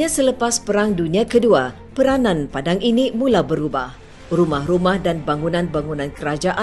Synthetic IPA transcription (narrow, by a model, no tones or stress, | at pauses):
ɲasələpaspəɾaŋduniakədua | pəɾanãnpadaŋinimulabəɾuba̰h | rumahrumahdanbaŋunãnbaŋunãnkəɾad͡ʒaʔa